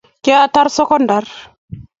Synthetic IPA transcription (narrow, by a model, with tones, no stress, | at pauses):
ke˦a˦ta˦ɾso˦kɔ˦nda˨ɾ